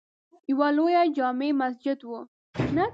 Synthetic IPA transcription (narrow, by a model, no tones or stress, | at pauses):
jawalojad͡ʒɑmemasd͡ʒɪd̪wu | na